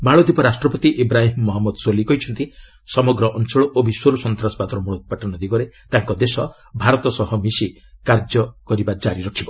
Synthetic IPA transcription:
baɭod̪ipɔɾasʈɾɔpɔt̪iʔibɾaɦimːɔɦɔmːɔd̪solikɔɦit͡ʃʰɔnt̪i | sɔmɔɡɾɔʔɔnt͡ʃɔɭɔʔobʱiswoɾɔsɔnt̪ɾasɔ̥pat̪ɔɾɔmuɭɔt̪̚paʈɔnɔd̪iɡɔɾet̪aŋkɔd̪esɔ | bʱaɾɔt̪ɔsɔɦɔmisi | kaɾd͡ʒɔkɔɾibad͡ʒaɾiɾɔkʰibɔ

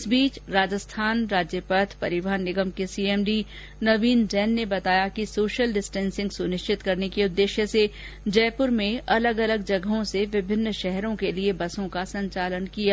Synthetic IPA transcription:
ɪsbiːt͡ʃɾaːd͡ʒəst̪ʰaːnɾaːd͡ʒjəpət̪ʰpɐɾɪʋəɦənːɪɡəmkesiːeːmɖi | nɐʋiːnd͡ʒɛːnːebɐt̪aːjakisoːʃəlɖɪsʈɛ̃ːnsɪ̃ŋɡsʊnɪʃt͡ʃɪt̪kɐɾnekiʊd̪ːeːʃjəse | d͡ʒɛːpʊɾmẽɐləɡɐləɡ̚d͡ʒɐɡəɦõseʋɪbʱɪnːʃɛɦɾõkeliebɐsõkasɐ̃ɲt͡ʃaːlənkijaː

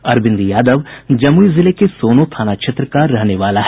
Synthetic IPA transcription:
ɐɾbɪ̃nd̪jaːd̪əʋd͡ʒɐmuizɪlekesoːnot̪ʰaːnat͡ʃʰet̪ɾəkaːɾːɛɦneʋaːlaɦ

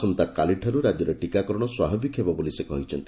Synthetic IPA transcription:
sɔnt̪akaliʈʰɔɾuɾad͡ʒɔɾeʈikakɔɾɔɽ̃ɔswaɦɔbʱikɦebɔbolisekɔ̰ɦĩt͡ʃʰɔnt̪i

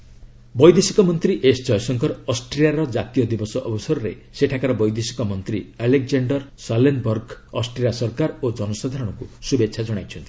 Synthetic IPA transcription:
bɔjd̪esi̥kɔmɔnt̪ɾiʔesd͡ʒɔjsɔŋkɔɾɔsʈɾijaɾɔd͡ʒat̪ijɔd̪ibɔsɔʔɔbɔsɔɾɔɾe | seʈʰakaɾɔbɔjd̪esi̥kɔmɔnt̪ɾialek̚d͡ʒaɳɖɔɾsalenbɔɾɡɔsʈɾijasɔɾkaɾod͡ʒɔnɔsad̪ʱaɾɔɽ̃ɔkusubetːʃʰad͡ʒɔɽ̃ajt͡ʃʰɔnt̪i̥

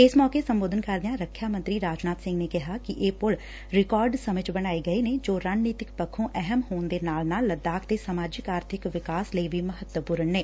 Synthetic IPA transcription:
ɪsmɔːkesəmboːd̪ʱənkəɾd̪ɪjãːɾəkʰjaːmə̃nt̪ɾiːɾaːd͡ʒnaːt̪sɪ̃ŋɡneːkɪɦaːkɪʔeːpʊl | ɾɪkaːɾɖsəmɪt͡ʃbəɽ̃aːeɡəeːneːd͡ʒoːɾaːd͡ʒniːt̪ɪkpəkʰːõːʔɛɦɛmɦoːnd̪eːnaːlnaːlːəd̪aːkʰt̪eːsəmaːd͡ʒɪkaːɾt̪ʰɪkʋɪkaːsləiʋiːməɦət̪wəpuːɾəɳːeː

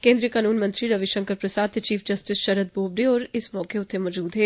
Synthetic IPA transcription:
kẽːnd̪ɾijəkaːnuːnmɐ̃nt̪ɾiɾɐʋiʃə̃ŋkəɾpɾɐsaːd̪t͡ʃiːfʰd͡ʒɐsʈɪsʃɐɾət̪̚boːbɖiɔːɾɪsmɔ̃ːkeʊt̪ʰːemɔd͡ʒuːd̪ɦɛː

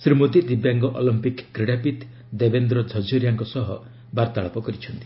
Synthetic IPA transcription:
sɾimot̪id̪ibjaŋɡɔʔɔlɔmpikːɾeɽapit̪ | d̪ebend̪ɾɔd͡ʒʱɔd͡ʒɔɾijaŋkɔsɔɦɔ | baɾt̪aɭɔpɔkɔɾit͡ʃʰɔnt̪i

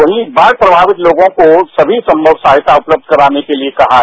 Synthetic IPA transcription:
ʋɐɦĩbaːɾ̚pɾɐbʱaːʋɪt̪loːɡõkosɐbʱisɐ̃mbʱəbsaːɦɪt̪aʊpləb̚d̪̚ʱkɐɾaːnekeliekɐɦa

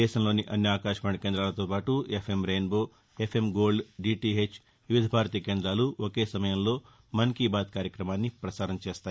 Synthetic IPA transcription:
d̪ɛːʃɐmlo̞ːniʔɐnjɐaːkaːʃmɐːɳɐkeːnd̪ɾaːlɐt̪oːpaːʈuepʰemɾeːnboː | epʰemɡo̞ːlɖɖiːʈiːɦet͡ʃ | ʋiʋid̪ʱɐbʱaːɾt̪iːkeːnd̪ɾaːluokeːsɐmɐjɐmlo̞ː | mɐnkiːbaːd̪̚kaːɾjɐkɾɐmaːnːipɾɐsaːɾɐnɐt͡ʃeːst̪aːi

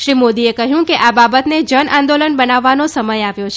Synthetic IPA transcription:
ʃɾimod̪iekəɦjũkeʔababət̪ned͡ʒənʔãnd̪olənbənaʋːanosəməjaʋjot͡ʃʰ

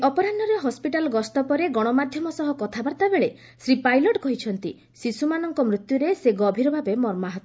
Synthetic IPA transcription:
ɔpɔɾanːɔɾeɦɔspiʈalɔɡɔst̪ɔpɔɾeɡɔɽ̃ɔmad̪ʱjɔmɔsɔɦɔkɔt̪ʰabaɾt̪abeɭe | sɾipajlɔʈkɔɦit͡ʃʰɔnt̪i | sisumanɔŋkɔmɾut̪juɾeseɡɔbʱiɾɔbʱabemɔɾmaɦɔt̪

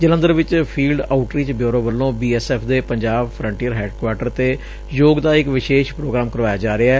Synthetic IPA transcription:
d͡ʒələ̃nd̪əɾʋɪt͡ʃpʰiːlɖaːʊʈɾiːt͡ʃbjoːɾõːʋəlːõːbiːɛːsɛːpʰd̪eːpəɲd͡ʒaːbpʰɾə̃ɳʈiːəɾɦɛːɖkwaːʈəɾt̪eː | joːɡd̪aːɪkʋɪʃeːʃpɾoːɡɾaːmkəɾʋaːjaːd͡ʒaːɾeaɛː

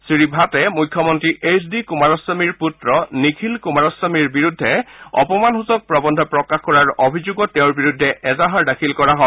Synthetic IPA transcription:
sɹibʱatɛmujkʰːjɔmɔntɹiʔesdikumaɹɔsamiɹputɹɔnikʰilkumaɹɔsamiɹbiɹudʱːɛɔ̰pɔmanɦuzɔk̚pɹɔbɔndʱɔpɹɔkaxkɔɹaɹobʱizuɡɔtːɛʊ̃ɹbiɹudʱːɛʔɛzaɦaɹdakʰilkɔɹaɦɔ

